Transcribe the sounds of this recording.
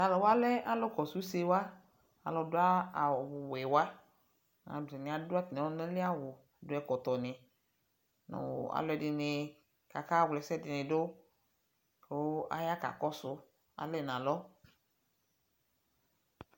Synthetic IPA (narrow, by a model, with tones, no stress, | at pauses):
a˨lɔ˨wa˦lɛ˦a˦lɔ˦kɔ˨su˦se˦wa˦ | a̰˨lɔ˨dʊ˦a˦˨wʊ˨wɛ˨wa˦ | nã̰˨bɪ˨nɪ̃˨a˨dʊ˦a˦t̪n˨ɔ˦nẽ˦lɪ˦a˦wʊ˨dʊ˨˦ɛ˨kɔ˨t̪ɔ˨nɪ˨ | nʊ̰˨a̰˨lɔ˨ɛ˨dɪ˨nɪ˨ | ka˨ka˦wlɛ˨sɛ˦dɪ˨nɪ̃˨do˦˨˦ | a̰˦ja˦ka̰˨kɔ˦sʊ˦ | a̰˨lɛ˦˨nã˨lɔ˦